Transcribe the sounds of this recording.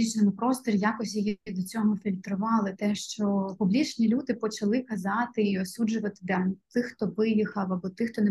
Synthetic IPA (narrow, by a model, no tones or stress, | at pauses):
it͡ʃnɪmʊpɾɔst̪ɔɾʲijɑkɔsʲjɔjid̪ɔt͡sʲɔɦɔfʲilʲt̪ɾʊʋɑlˠɪt̪ɛʃt͡ʃɔpublʲit͡ʃnʲilʲud̪ɪpɔt͡ʃɐlˠɪkɐzɑt̪ɪiɔsud͡ʒʊʋɐt̪ɪ̥d̪ʲɐt̪ɪxt̪ɔʋɪjixɐwɐbɔt̪ɪxt̪ɔnɛ